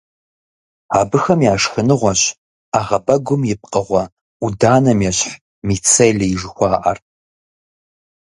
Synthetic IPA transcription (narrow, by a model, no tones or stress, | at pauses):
aːbɨxɐmjaːʂxɨnɨʁʷɔɕ | aːʁɐbɐɡʷʊmjɪp̚qʼɐʁʷɐ | udaːnɐmjɛɕħ | mit͡sʰejlɐjɪʐɨxʷɑːʔɐ̰r